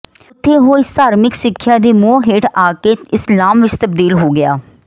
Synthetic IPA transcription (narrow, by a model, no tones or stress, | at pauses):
ʊt̪ʰːeːɦoːɪst̪aːɾmɪksɪkʰːjaːd̪iːmuːɦeːʈaːkeːɪslaːmʋɪt͡ʃt̪əb̚d̪iːlɦoːɡɪjaː